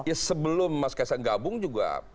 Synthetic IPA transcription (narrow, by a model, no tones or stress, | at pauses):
jasəbəlʊmːaskasaɡabʊŋd͡ʒuɡa̰